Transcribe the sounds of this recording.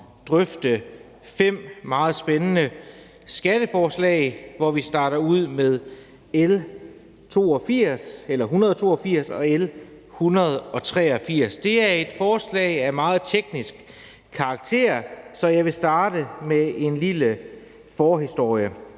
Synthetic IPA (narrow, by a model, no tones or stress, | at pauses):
d̥ʁœfd̥ə | fem̰mɑ̈ːð̞̩ˠsb̥enənə | sɡ̥æd̥əfɒːslɛ̰ɪʋɒʋisd̥ɑ̈ːɾɐuð̞̰ˠmeðˠ | el | t͡sʰo̝̰ːɒfiɐ̰selɐɦunɐðˠt͡sʰo̝̰ːɒfiɐ̰sɒ̽el | hunɐð̞ˠɒ̽t͡sʰʁɛɒfiɐ̰sd̥e̝æɐe̝d̥fɒːslɛ̰ɪæmɑ̈ːð̞̩ˠt͡sʰeɡ̥nisɡ̥ | kʰɑ̈ːɡ̥̚t͡sʰe̝̰ɐ̰sɒ̽jɑ̈ɪʋe̝sd̥ɑ̈ːd̥əmee̝nlilə | fɒːɦisd̥o̝ɐ̰jə